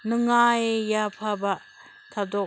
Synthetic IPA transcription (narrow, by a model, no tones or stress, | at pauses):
nɯŋajejapʰaba | tʰadɔ